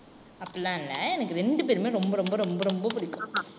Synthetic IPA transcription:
ɐpːɐɭlãːɪnːɐ̰ɛnɐkːɯɾɛɳɖɯpeɾɯmeːɾɔmbɐɾɔmbɐɾɔmbɐɾɔmbɐpʊɽɪkːʊ̃

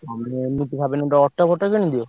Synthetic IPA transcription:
amemit̪ikʰabeneʈaɔʈːabʱɔʈːakenid̪io

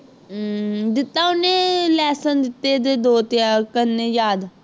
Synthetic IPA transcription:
d̪ɪt̪ːaːʊnẽːlɛːsənd̪ɪt̪ːeːd̪eːd̪oːt̪jaːkənːeːjaːd̪

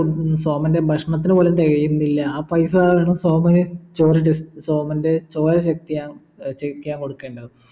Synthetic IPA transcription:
soːmɐnde̞bʱɐʂɐɳɐt̪ːinɨpoːlent̪eɣɐjunːilːɐaːpɐjsɐðaːɭʋeːɳɐmsoːmɐnet͡ɕoːɾɐɖesso̞ːmɐnde̞t͡ɕoːɾɐɕɐk̚t̪ijaːn | t͡ɕɐkːijaːnko̞ɽukːe̞ːɳɖɐðɨ

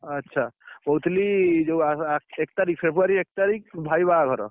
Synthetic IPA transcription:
ətːʃʰabɐɦut̪lid͡ʒoaek̚t̪aɾik̚pʰebuaɾiek̚t̪aɾik̚bʱaibaɡʱɔɾo̰

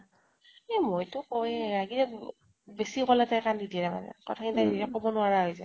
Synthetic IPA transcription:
emojtʊkoɹaɡiɛ | besikɔlɛtajkandidiɛɾama̰nɛ̰kɔ̰tʰakinitadiiɛkɔbɔnʊaɹaɦojzɛ

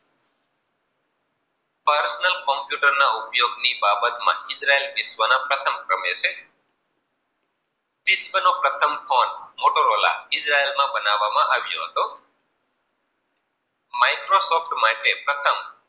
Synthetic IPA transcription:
pəɾsnəlkɔ̃mpjuʈəɾnaʊpjoɡnibabət̪mã̰ɪd͡ʒɾaelpɪsʋənapɾət̪ʰəmkɾəmet͡ʃʰe | pɪsʋənopɾət̪ʰəmkʰonmoʈoɾola̰ɪd͡ʒɾaelmãbənaʋamãʔaʋjo̰ɦət̪o | maikɾosɔfʈmãʈepɾət̪ʰəm

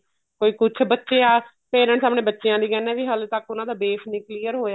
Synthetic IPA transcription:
koːiːkʊt͡ʃʰbətːʃeːaː | peːɾə̃ɳʈsaːmɳẽːbətːʃejãːd̪iːkɛːnɛ̃ːʋiːɦəlt̪əkʊnãːd̪aːbeːpʰniːkliːəɾɦoːjaː

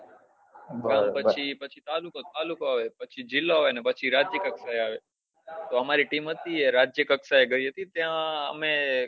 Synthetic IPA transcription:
bãmpət͡ʃʰipət͡ʃʰit̪alukot̪alukoaʋepət͡ʃʰid͡ʒɪloaʋenepət͡ʃʰiɾad͡ʒjəkəksaeaʋe | t̪oəmaɾiʈimɦət̪ieɾad͡ʒjəkəksaeɡəiɦət̪it̪jãə̰me

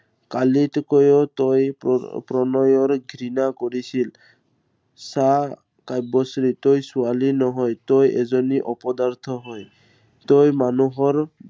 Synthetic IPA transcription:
kalitɔkojotojpɾɔnɔjɔɹɡʱɾinakoɹisil | sa | kajbɔsɾit̪ojsualinɔɦɔjt̪ojɛzɔniʔɔpɔd̪aɹt̪ʰɔɦɔj | t̪ojmanuɦɔɹ

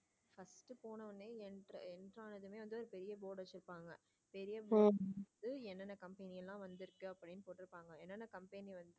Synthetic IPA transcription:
fɐsʈɯpoːnɐʋɐnːeɛnrɐɛnɖraːnɐðɯmeːʋɐnd̪ɯɔɾɯpɛɾɪjɐboːɽɐt͡ʃɔlpːaːŋɡɐ | pɛɾɪjɐbod̪ɯɛnːɐnːɐkɐmpɐnɪjɛlːãːʋɐnd̪ɪɾɯkːɯɐpːɐɽɪnːɯpoːʈːɪɾɯpːaːŋɡɐɛnːɐnːɐkɐmpɐniʋɐnd̪ɯ

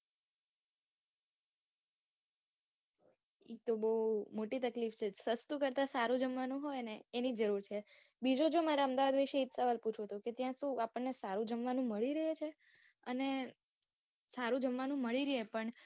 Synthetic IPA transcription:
ek̚t̪obəumoʈit̪əklift͡ʃʰesəst̪ukəɾt̪asaɾũd͡ʒəmʋanũɦojneːnid͡ʒəɾuɾt͡ʃʰe | bid͡ʒod͡ʒomaɾeəmd̪aʋad̪ʋiʃeɦit̪səʋalput͡ʃʰot̪oket̪jãsũapəɳːesaɾũd͡ʒəmʋanũməɭiɾəɦet͡ʃʰe | əne | saɾũd͡ʒəmʋanũməɭiɾəɦepəɳ

